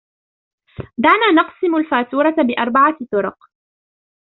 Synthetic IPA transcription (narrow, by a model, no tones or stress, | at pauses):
d̪aʕnaːnɑqsˤɪmʊlfaːt̪uːɾˤɑt̪bɪʔɑɾˤbaʕat̪ʊɾʊq